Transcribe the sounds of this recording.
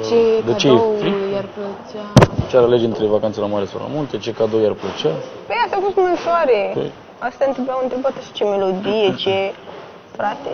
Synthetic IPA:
t͡ʃed̪ət͡ʃeeijapt͡ʃat͡ʃeaɾaled͡ʒɨnt̪ɾevakant̪selamaɾesawla̰munt̪e̞t͡ʃe̞kad̪owjarplət͡ʃapejasafost̪mɨnsoaɾepḛ | ast̪aɨnt̪ɾebujawɨnt̪ɾebat̪əʃi̥t͡ʃemelo̞d̪ijet͡ʃe | fɾat̪e

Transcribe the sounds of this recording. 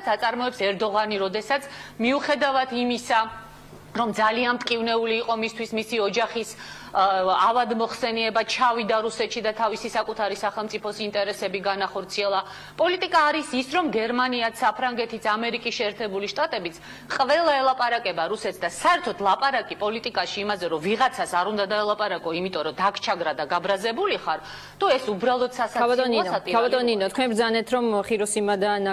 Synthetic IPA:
t̪sʰat̪sʼaɾmɔɛpsɛɾd̪ɔʁaniɾɔd̪ɛsat̪sʰmiuχɛd̪avat̪ʰimisa | ɾɔmd̪zalianmt̪ʼkʼivnɛuliːqʼɔmist̪ʰwismisiɔd͡ʒaχis | avad̪mɔχsɛniɛbat͡ʃʰavid̪aɾusɛt̪ʰʃid̪at̪ʰavisisakʼut̪ʰaɾisaχɛlˠmt̪ʼipʰɔsint̪ʼɛɾɛsɛbiɡanaχɔɾt̪sʰiɛlˠa | pʼɔlit̪ʼikʼaːɾisisɾɔmɡɛɾmaniat̪sʰapʰɾaŋɡɛt̪ʰit̪samɛɾikʼisʃɛːɾt̪ʰɛbuliʃt̪ʼat̪ʼɛbit̪sʰ | qʼvɛlˠaɛlˠapʼaɾakʼɛbaɾusɛt̪sd̪asaɛɾt̪ʰɔt̪ʰlˠapʼaɾakʼipʼɔlit̪ʼikʼaʃiːmazɛɾɔviʁat̪sʰasaɾund̪ad̪aɛlˠapʼaɾakʼɔimit̪ʼɔɾɔd̪akʰt͡ʃʰaɡɾad̪aɡabɾazɛbuliχaɾ | d̪uɛsubɾalˠɔd̪sasaabat̪ʼɔninat̪ʼiaat̪ʼɔnninɔt̪̚ʰkʰwɛnbɾd̪zanɛt̪ʰɾɔmχiɾɔsimad̪an

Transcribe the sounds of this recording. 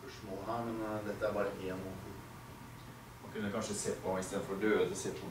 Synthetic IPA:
pœʂmoːɦæːɾmɛnd̪ɛt̪ːəæɾbɑːɾək̪ɪjɛnʊt̪u | mɑkʉnːəkʰɑnʂəseːpʰɔɪst̪eːd̪̩fɔd̪øːd̪əseːp̪ʰɔ

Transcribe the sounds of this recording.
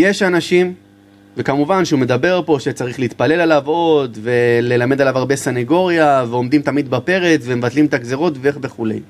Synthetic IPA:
je̞ʃanaʃim | vekamuvanʃeume̞d̪abe̞ʁpo̞ʃet͡saʁiχleit̪pale̞lalavo̞d̪ve̞le̞lame̞d̪alavaʁbesaneɡo̞ʁjaveo̞md̪imt̪amid̪bape̞ʁe̞t͡sve̞mevat̪limt̪akzeʁo̞t̪veeχve̞χule̞̰j

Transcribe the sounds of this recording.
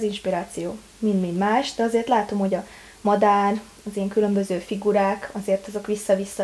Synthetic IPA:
zinʃpiɾaːt̪sijoː | mind̪mind̪maːʃd̪ɛɒzeːrt̪laːt̪o̞mho̞ɟɒ | mɒd̪aːr | ɒziɛŋkylø̞mbø̞zøːfiɡuɾaːkʰɒzeːrt̪ɒzo̞kʋisːɒvisːɒ

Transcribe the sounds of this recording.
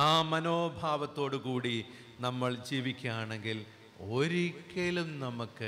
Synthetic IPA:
aːmɐnoːbʱaːʋɐt̪ːo̞ːɽukuːɽi | nɐmːɐɭd͡ʑiːʋikʲːuaːɳeŋɡil | oɾikːelumnɐmukːɨ

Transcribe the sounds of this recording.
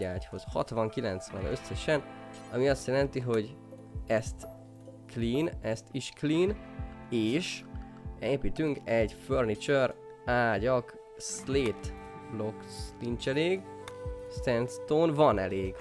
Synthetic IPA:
aːcho̞zhɒ̰t̪ʋɒŋkilɛnt̪sʋɛnøsɛʃɛn | ɒmiɒst̪jɛlɛnt̪iɦo̞ɟ | ɛst̪ | kliːnɛst̪iʃkliːn | eːʃ | eːpit̪yŋkɛɟførnit͡ʃøɾ | aːɟɒk | sleːt̪ | lokst̪int͡ʃɛleːɡ | st̪ɛnst̪onvɒnɛleːɡ

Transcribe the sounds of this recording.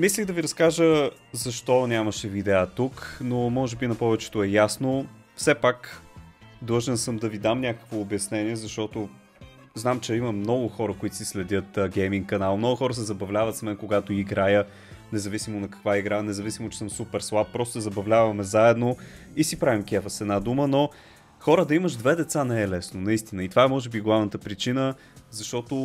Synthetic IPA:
misliɣd̪ɐviɾɐskaʒəzɐʃt̪ɔnʲaməʃɛvid̪ɛət̪uknomɔʒɛbinɐpɔvɛt͡ʃɛ̥t̪oɛjasno | fsɛpak | d̪lˠɤʒɛnsəmd̪ɐvid̪amnʲakə̥kvoːbjɐsnɛniɛzɐʃt̪ɔt̪o | znamt͡ʃɛiməmnɔɡʊxɔɾəkʊit̪ʊ̥sislɛd̪ʲɤt̪ɡʲɛjmĩŋkkːɐnalˠmnɔɡʊxɔɾəsɛzɐbɐvlʲavət̪smɛnkoɡat̪oiɡɾajə | nɛzɐvisimonɐkɐ̥kvaiɡɾanɛzɐvisimot͡ʃɛ̥sɤmsupɛɾslˠap̚ːɾɔst̪zɐbɐvlʲavɐmɛzaɛd̪no | isipɾavimkʲiɛfəsɛd̪nad̪uməno | xɔɾəd̪ɐiməʒd̪vɛd̪ɛt̪sanɛːlɛsnonɐist̪inəit̪ovaɛmɔʒɛbiɡlˠavnət̪əpɾit͡ʃinə | zɐʃt̪ɔt̪ʊ

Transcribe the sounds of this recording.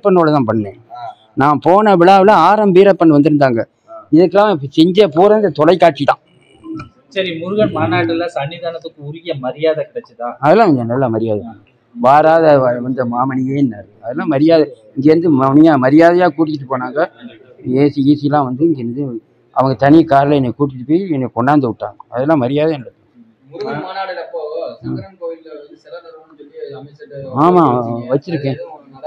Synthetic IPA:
pːɐnːoːɭɐt̪ãːpɐɳːḛ̃ː | nãːpoːnɐʋɪɭaːʋɪlɐaːɾɐmbiːɾɐpːɐɳːɯʋɐnd̪ɯɾɯnd̪aːŋɡɐ | ɪðɐkːɐlãːɪpːsɛɲd͡ʒɐpuːɾɐnd̪ɐt̪ɔlɐɪkːaːʈ̚t͡ʃɪt̪ãː | sɐɾimʊɾɯɣɐɳmaːnaːʈːɯlːasɐnːɪðaːnɐt̪ːɯkːɯʊɾʊɣɪjɐmɐɾɪjaːðɐkɐɽɐt͡ʃːɯt̪ãːɐðɐlːãːɪŋɡɐnɐlːãːmɐɾɪjaːðɐtãː | ʋaːɾaːðɐʋɐnd̪ɐmaːmɐɳɪjeːɪnːaːɾɯɐðɐlːãːmɐɾɪjaːðɐɪŋɡeɾɯnd̪ɯmɐnɪjãːmɐɾɪjaːðɐjaːkuːʈ̬ːɪkːɪʈ̬ːɯpoːnaːŋɡɐ | eːsiiːsɪjɐlãːʋɐnd̪ɯɪŋɡeɛɾnd̪ɯ | ɐʋɐŋɡɐt̪ɐnikaːɾlɐɛnːɛkuːʈ̬ɪɪʈːɯpːoːjɛnːɛkɔɳɖaːnd̪ɯʊʈːa̰ːŋɡɐɐðɛlːãːmɐɾɪjaːðɐjːnɐɽɯkːã | aːmaːʋɐt͡ʃːɪɾɯkːẽː

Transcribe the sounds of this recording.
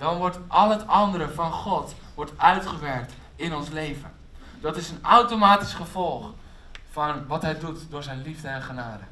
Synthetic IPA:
d̥ɑnʋɔɹtʔɑlˠɦətɑndəɾəvɑnχɔt | ʋɔɹtœɥtχəʋɛɹk̚t | ɪnɔnslejvən | d̥ɑtɪsənawtomaːti̥sχəv̥ɔlˠχ | fɑnʋɑtɦɛjdutdʊːɹzɛjnlivdəɛnχənaːdə

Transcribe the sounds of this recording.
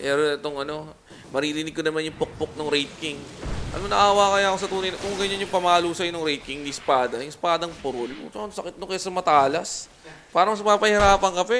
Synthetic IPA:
pɛːɾoɛt̪oŋʔɐno̞ | mɐɾiːɾɪnɪɡ̚konɐmanjʊŋpok̚pok̚noŋɾɛjt̪̚kɪŋʔɐ̰nonɐʔaːwaːkɐjakosɐt̪uːnɐjnkʊŋɡɐɲanjʊŋpɐmaːluːsɐjnʊŋɾɛjt̪̚kɪŋd̪ispaːd̪ɐjʊŋspaːd̪ɐŋpʊɾolsosɐkɪt̪̚nokɐjasɐmɐt̪aːlɐs | paːɾɐŋmɐspaːpɐhɪɾaːpɐŋkɐpɛ

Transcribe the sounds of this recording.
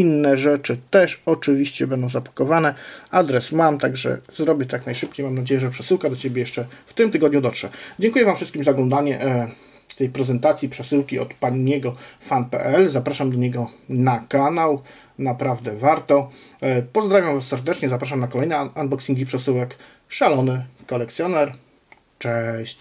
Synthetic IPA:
inːɛʐɛt͡ʂɘt̪ɛʂɔt͡ʂɘvʲiɕt͡ɕɛbɛnd̪ɔ̃w̃zapḁkɔvanɛad̪ɾɛsmamt̪aɡʐɛ̰zɾɔbʲjɛt̪aknajʂɘpt͡ɕejmamnad͡ʑejɛʐɛpʂɛsɘwkad̪ɔt͡ɕebʲjɛjɛʂt͡ʂɛft̪ɘmt̪ɘɡɔd̪ɲud̪ɔtʂɛd͡ʑɛŋkujɛvamfʂɘst̪kʲimzaɔɡlɔ̃nd̪aɲɛ | t̪ɛjpɾɛzɛnt̪at̪sʲjipʂɛsɘwkʲiɔ̰t̪paɲɲːɛɡɔfanpɛ̰ʔɛlzapɾaʂamd̪ɔɲɛɡɔnakanaw | napɾavd̪ɛvaɾt̪ɔpɔzd̪ɾavʲjamvasːɛɾd̪ɛt͡ʂɲɛzapɾaʂ̬amnakɔlɛjnɛandbɔksʲiŋɡʲipʂɛsɘwɛk | ʂalɔnɘkɔlɛk̚t̪sʲjɔnɛɾ | t͡ʂɛɕt͡ɕ

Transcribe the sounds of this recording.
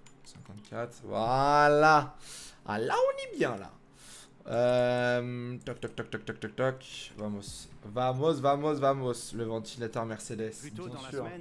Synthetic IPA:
sɛ̃kɑ̃t̪kʲʰat̪χvwala | a̰laɔ̃nibjɛ̃la̰ | ømt̪ɔk̚t̪ɔkt̪ɔk̚t̪ɔk̚t̪ɔk̚t̪ɔk̚t̪ɔkvamosvamosvamosvamosləvɑ̃t̪ilet̪œʁmɛʁsed̪ɛsbjɛ̃syʁ

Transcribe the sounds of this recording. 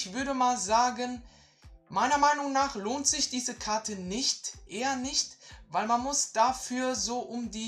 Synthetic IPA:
çv̥ʏɐdəmaːlzaːɡən | maɪnɐmaɪnʊŋnaːχloːntz̥ɪçd̥iːzəkʰaɐtʰənɪçtʔeːɐnɪçtvaɪlmanmʊsd̥afyːɐzoːʔʊmdiː

